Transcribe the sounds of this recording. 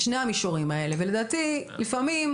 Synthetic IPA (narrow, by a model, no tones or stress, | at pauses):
ʃnejhamiʃuʁimae̞le̞vele̞d̪aːt̪ilifamim